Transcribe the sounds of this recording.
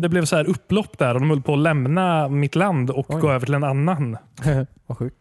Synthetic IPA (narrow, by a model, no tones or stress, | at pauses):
d̪ɛblɛvsɔhæːɾɵpːlɔpːd̪æɾɔd̪ɔmhɵlːəpʰɔːlɛmnamɪt̪land̪ɔkɡoːøːvəʈʰɪlɛnanːan | ɧʉ